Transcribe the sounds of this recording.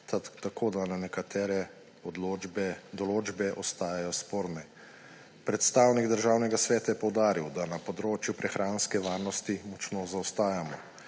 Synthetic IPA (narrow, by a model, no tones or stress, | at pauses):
t̪akʰoːd̪ananɛkat̪ɛːɾɛ | ɔd̪lobɛd̪ɔloːd͡ʒbɛʔɔst̪aːjajɔspoːɾnɛ | pɾɛt̪st̪awniɡd̪əɾʒaːwnɛɡasʋɛːt̪ajɛpɔwd̪aːɾiwd̪anapɔd̪ɾoːt͡ʃjupɾʔɛxɾʔaːnskɛʋaːɾnɔst̪imɔt͡ʃnoːzawst̪aːjamɔ